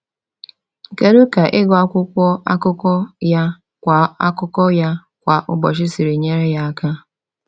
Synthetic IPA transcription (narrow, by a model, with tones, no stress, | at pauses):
ke˨ɾu˦ka˨ʔɪ˦ɡɔ˨a˦kʷʊ˦kʷɔ˦a˦kʊ˦kɔ˦ja˦ | kʷa˨a̰˦kʊ˦kɔ˦ja˦ | kʷa˨ʔʊ˦bɔ˨ʃɪ˦si˨ɾe˨ɲe˦ɾe˦ja˦a˦ka˦